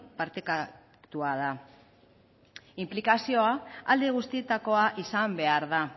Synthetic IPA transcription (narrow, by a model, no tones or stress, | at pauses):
paɾt̪eka | t̪uað̞a | implikasio̞aald̪eɣ̞ust̪ie̞t̪ako̞aʔisambe̞aɾða